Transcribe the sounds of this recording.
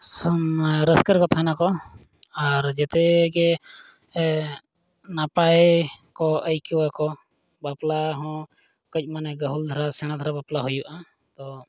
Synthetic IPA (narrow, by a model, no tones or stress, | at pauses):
s | ɾəskəɾkɔt̪ʰanakɔ | aɾd͡ʒɛt̪ɛɡɛ | napaekɔʔəjkiwakɔ | baplaɦɔ̃ | kɔc̚ˀmanɛɡəɦuld̪ʱɾasɛɽ̃ad̪ʱaɾabaplaɦujbaʔa | t̪ɔ